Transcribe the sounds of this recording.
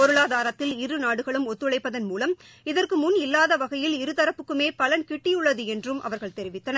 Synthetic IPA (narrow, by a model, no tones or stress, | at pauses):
pɔɾɯɭaːðaːɾɐt̪ːɪlɪɾɯnaːɽɯɣɐɭɯmɔt̪ːɯɭɐɪpːɐðɐnmuːlɐm | ɪðɐrkɯmʊnɪlːaːðɐʋɐɣɐjɪlɪɾɯt̪ɐɾɐpːɯkːɯmeːpɐlɐnkɪʈːɪjɯɭːɐðɯɛndrɯmʔɐ̰ʋɐɾɣɐɭt̪ɛɾɪʋɪt̪ːɐnɐ